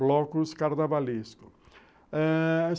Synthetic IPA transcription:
lɔkʊskaɾd̪avaliskʊ | ɛ

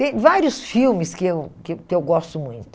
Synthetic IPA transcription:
t̪ẽj̃vaɾjʊsfiwmɪskɪewkkɪewɡɔst̪ʊmũj̃t̪ʊ

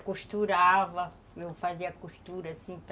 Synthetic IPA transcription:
kuʃt̪uɾavɐ | ewfaziɐkuʃt̪uɾɐsĩp

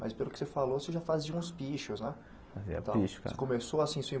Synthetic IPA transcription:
mɐspelʊkɪ̥sefaloseʒafaziɐũspiʃʊznɛ | azɛ̰t̪ãiʃsekõmesoasĩsẽĩ

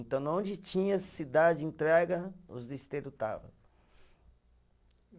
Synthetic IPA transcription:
nt̪ɐ̃w̃nɐõnd͡ʒɪt͡ʃĩɲɐsid̪ad͡ʒẽnt̪ɾɛɡɐʊzd̪est̪eɾʊt̪a̰vɐ̰

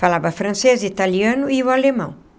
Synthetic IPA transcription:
falabɐfɾɐ̃sezit̪aliɐ̃nʊiwalemɐ̰̃w̃

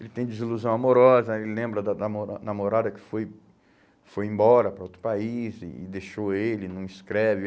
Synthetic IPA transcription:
elɪt̪ẽj̃d͡ʒɪziluzɐ̃w̃amoɾɔzɐelɪlẽmbɾɐd̪ɐnamoɾanamoɾad̪ɐkɪ̥foj | fojẽbɔɾɐpɾɐot̪ɾʊ̥paizɪ̰ːd̪eʃoelɪnɐ̃w̃iskɾɛvɪ

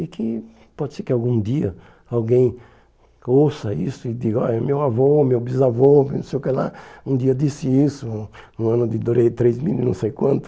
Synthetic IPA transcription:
ɪkʰɪ | pɔd̪ɪseɾkɪawɡũd̪iɐ | awɡẽj̃ | osɐisʊɪd̪iɡɐɔ̰ʎɐmewavomewbizavomewnũsejʊkela̰ũd̪iɐd̪isɪisʊ̃ũɐ̃nʊd̪ɪd̪oɾejt̪ɾezmḭlnɐ̃w̃sejkwɐ̃nt̪ʊ̥

